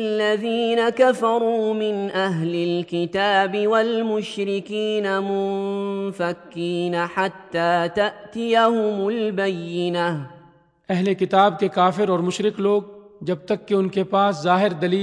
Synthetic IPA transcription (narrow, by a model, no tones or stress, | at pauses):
alːaðiːnakafɑɾˤuːmɪnʔaɦlɪlkɪt̪aːbɪwalmʊʃɾɪkiːnamʊmfakːiːnaħat̪ːaːt̪aʔt̪ɪjahʊmʊlbajːɪna | ɛɦlekɪt̪aːb̚kekaːfɪɾɔːɾmʊʃɾɪkloːɡ̚d͡ʒɐb̚t̪ɐkːeʊnkepaːszaːɦɪɾd̪ɐliː